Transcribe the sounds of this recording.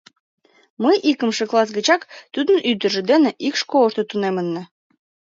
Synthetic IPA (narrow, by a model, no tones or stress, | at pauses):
məjʔikəmʃĕklˠɑs̬ɡət͡ɕɑkt̪ud̪ənʔyd̪ə̆ʒĕd̪eneʔikʃkoəʃt̪ə̆t̪unemənːə